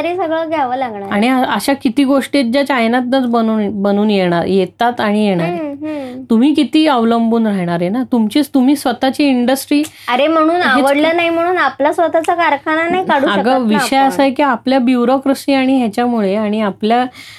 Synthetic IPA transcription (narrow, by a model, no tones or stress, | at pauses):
əɾesəɡɭəɡʱjaʋəlaɡɳaɾaɽ̃iəəɕakit̪iːɡoʂʈet̪̚d͡ʑjat͡ɕajnat̪nat͡sbənuːnbənuːnjeɽ̃aɾjet̪ːat̪aɽ̃ijeɽ̃aɾeɦt̪um̤iːkit̪iːəʋləmbuːnɾaɦɽ̃aɾɦenat̪umt͡ɕiːt͡st̪um̤iːsʋət̪at͡ɕiːiɳɖəsʈɾiː | əɾem̤əɽ̃uːnɦaeʋəəɽləːnaɦim̤əɽ̃uːnaplasʋət̪at͡sakaɾkʰananaɦikaɽuːaəɡəʋiɕəjəsaekiapljabjuɾokɾəsnĩaɽ̃iɦjat͡ɕjamuɭeaɽ̃iaplja